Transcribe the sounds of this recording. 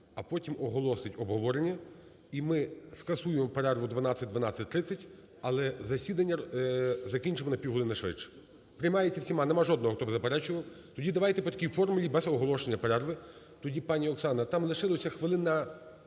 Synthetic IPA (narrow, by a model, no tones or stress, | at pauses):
ɐpɔtʲimɔɦɔlˠɔsɪtʲɔbɦɔʋɔɾenʲːɐ | imɪskɐsujemɔpeɾɛrʋʊd̪ʋɐnɑt͡sʲːɐt̚ʲd̪ʋɐnɑt͡sʲːɐt̚ʲt̪ɾɪt͡sʲːɐtʲ | ɐlˠɛzɐsʲid̪ɐnʲːɐzɐkʲinʲt͡ʃɪmɔnɐpʲiɦʊlˠɪnɐʃʋɪ̰t͡ʃɛ̥ | pɾɪjmɑjet͡sʲːɐwsʲimɑnemɑʒɔd̪nɔɦɔkt̪ɔbɪzɐpeɾɛt͡ʃʊʋɐw | t̪ɔdʲid̪ɐʋɑjt̪ɛpɔt̪ɐ̥kʲijfɔrmʊlʲibɛzɔɦɔlˠɔʃenʲːɐpeɾɛrʋɪ | t̪ɔdʲipɑnʲiɔksɑnɐt̪ɑmlˠɪʃɪlˠɔsʲɐxʋɪlˠɪnɐ